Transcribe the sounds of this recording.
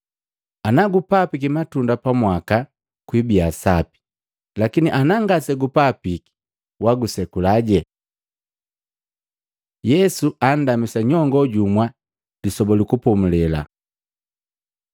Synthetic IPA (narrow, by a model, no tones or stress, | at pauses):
anaɡupapik̬imatundapamwaka | kwibiasapi̥ | lakiniʔanaŋɡasɛɡupapiki̥ | waɡusɛkulaɟɛ | jɛsuʔan̩damisaɲɔŋɡɔɟumwa | disɔbɔlikupɔmulɛla̰